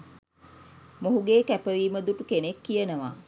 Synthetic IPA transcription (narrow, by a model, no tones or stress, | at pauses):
moɦuɡeːkæpəʋiːməd̪uʈukenekːijənəʋaː